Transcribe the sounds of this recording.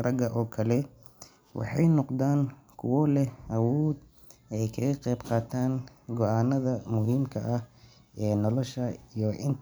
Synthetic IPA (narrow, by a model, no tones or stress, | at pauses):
rɐɡɐʔɔːkʰɐlɛ | wɑ̰ħɑjnɔqd̪aːn | kʰʊ̰wɔlɛʔɐwɔːd̪ | ɛjkʰɐɣɐqɛjbqɑːt̪ʰaːnɡɔʔaːnɐðɐmʊɦiːmkʰɐʔɐh | ɛːnɔlɔʃɐijɔʔɪn